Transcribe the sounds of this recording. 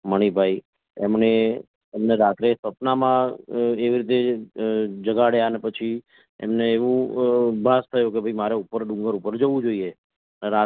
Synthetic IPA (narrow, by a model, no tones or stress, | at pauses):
məɽ̃ibʱai | ɛmneː | mneɾat̪ɾesəpnamãeʋiɾit̪e | d͡ʒəɡaɽjanepət͡ʃʰi | ɛ̰mneːʋũbʱast̪ʰəjũkebʱəimaɾeupəɾɖũŋɡəɾupəɾd͡ʒəʋũd͡ʒoie | ɾa